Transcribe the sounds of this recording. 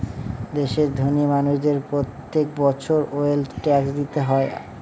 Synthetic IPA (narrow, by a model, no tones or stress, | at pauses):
d̪eʃeɾd̪ʱonimanuʃd̪eɾpɾot̪ːek̚bɔt͡ɕʰoɾoelʈɛksd̪it̪eɦɔe